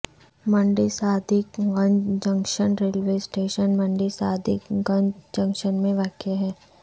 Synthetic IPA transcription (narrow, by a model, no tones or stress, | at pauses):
mɐ̃ɳɖisaːd̪ʱɪkɡɐ̃ɲd͡ʒd͡ʒɐ̃ŋkʃənɾeːlʋeːsʈeːʃənmɐ̃ɳɖisaːd̪ʱɪkɡɐ̃ɲd͡ʒd͡ʒɐ̃ŋkʃənmẽʋaːkjəɦɛː